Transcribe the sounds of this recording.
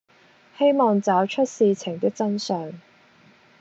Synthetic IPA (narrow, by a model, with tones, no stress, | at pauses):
he˥jmɔː˨ŋt͡saː˨˥wt͡ʃʰɵ˥t̚siː˨˧t͡sʰɪ˨˩ŋt̪ɪ˥k̚t͡sɐ˥nsœː˨ŋ